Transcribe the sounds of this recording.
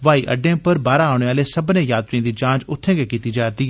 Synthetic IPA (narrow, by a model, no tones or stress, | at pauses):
ʋaːiːʔə̰ɖẽːpəɾbaːɾaːʊɽ̃eːaːleːsəbnẽːjaːt̪ɾiãːd̪iːt͡ʃãːd͡ʒʊt̪ʰːẽːɡeːkiːt̪iːd͡ʒaːɾt̪iː